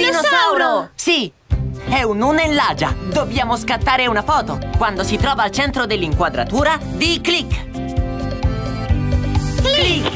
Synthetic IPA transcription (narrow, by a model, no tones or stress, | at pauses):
inossawlosi | ɛununelːaːd͡ʒad̪objaːmoskat̪ːaːɾeunafɔːt̪okwand̪osit̪ɾɔːvaːlt͡ʃɛnt̪ɾod̪elːiŋkwad̪ɾa̰t̪uːɾa | d̪iklikː | li